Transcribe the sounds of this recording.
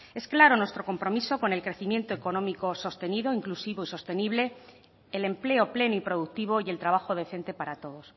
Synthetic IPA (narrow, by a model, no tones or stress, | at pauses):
e̞sklaɾo̞nwe̞st̪ɾo̞ko̞mpɾo̞miso̞ko̞ne̞lkɾe̞θimje̞nt̪oeko̞nõ̞miko̞so̞st̪e̞niðo̞iŋklusiβo̞iso̞st̪e̞niβle̞ː | le̞mple̞o̞ple̞noipɾo̞ðuk̚t̪iβo̞ie̞lt̪ɾaβ̞axoðe̞θe̞nt̪e̞paɾat̪o̞ð̞o̞s